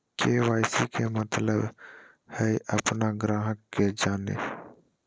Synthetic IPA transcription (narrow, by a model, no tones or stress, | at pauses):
keːʋaːɪsikʰemət̪ləb | hɛiʔəpnaɡɾaːɦəkːed͡ʒaːnḛː